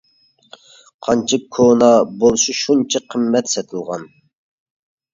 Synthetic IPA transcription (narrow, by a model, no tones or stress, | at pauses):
qʰɑnt͡ʃʰɪkkʰonɑbolˠʃuʃunt͡ʃʰiqʰəmːɛt̪sɛt̪ʰɨlˠʁɑ̰n